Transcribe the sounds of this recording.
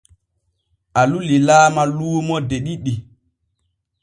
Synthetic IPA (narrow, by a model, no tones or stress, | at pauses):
ʔalulilaːmaluːmɔdeɗiɗi